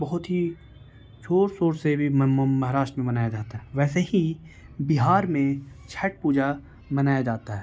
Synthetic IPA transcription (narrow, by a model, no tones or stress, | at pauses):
bɐɦʊt̪ɦi | t͡ʃʰoːɾsoːɾsebʱimɐɦaɾaːʃʈmẽbɐnaːjad͡ʒaːt̪aɦɛʋɛːseɦi | bɪɦaːɾmẽ | t͡ʃʰɛʈ̚puːd͡ʒa | mɐnaːjad͡ʒaːt̪aɦɛː